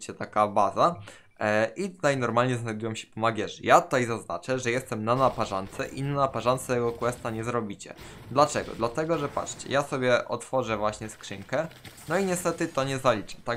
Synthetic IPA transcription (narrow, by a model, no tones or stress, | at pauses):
t͡ɕɛt̪akabaza | ʔit̪ut̪ajnɔɾmalɲɛznajd̪ujɔmɕɛ̥pɔmaɡʲjɛʐɨjat̪ut̪ajzaznat͡ʂɛʐɛjɛst̪ɛmnanapaʐant̪sɛʔinanapaʐant̪sɛt̪ɛɡɔkwɛst̪aɲɛzɾɔbʲit͡ɕɛ̰d̪lat͡ʂɛɡɔ̰d̪lat̪ɛɡɔʐɛpa̰tt͡ʂt͡ɕɛ̰jasɔbʲjɛʔɔ̰t̪fɔʐɛvwaɕɲɛskʂɘŋkɛnɔiɲɛst̪ɛt̪ɘt̪ɔɲɛzalʲit͡ʂɛ̥t̪a